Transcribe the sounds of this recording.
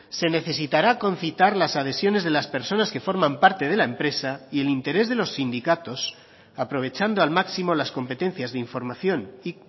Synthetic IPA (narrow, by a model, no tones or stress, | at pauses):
se̞ne̞θe̞s̬it̪aɾako̞nθit̪aɾlasað̞e̞sjo̞ne̞zðe̞laspe̞ɾso̞naske̞fo̞ɾmãmpaɾt̪e̞ð̞elaempɾe̞saie̞lint̪e̞ɾe̞zðe̞lo̞sːind̪ikat̪o̞s | apɾo̞β̞e̞t͡ʃand̪oalmaksimo̞lasko̞mpe̞t̪e̞n̟θjazðeiɱfo̞ɾmaθjo̞ni